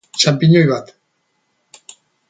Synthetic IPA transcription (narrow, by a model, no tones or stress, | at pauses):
t͡ʃampiɲojβat̪